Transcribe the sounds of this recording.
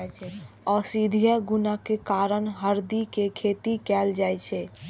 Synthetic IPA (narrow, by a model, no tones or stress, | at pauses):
t͡ʃʰ | ɔːsid̪ʱijəɡunakekaɾənɦəɾd̪ikekʰet̪ikɛːld͡ʒajt͡ʃʰɛ